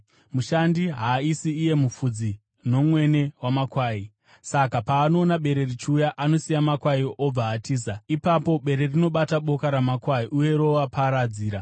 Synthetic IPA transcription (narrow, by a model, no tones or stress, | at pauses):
muʃandiɦaisiːje̞mup͡fud͡zi | no̞mwe̞ne̞wamakwaːi | sakapaːno̞ːnaɓe̞ɾe̞rit͡ʃːjaʔano̞sijamakwaiʔob͡vaːtiːs̬aipapo̞ɓe̞ɾe̞rino̞ɓataɓo̞kaɾamakwaiʔuje̞ɾo̞ʋapaɾad͡ziːɾa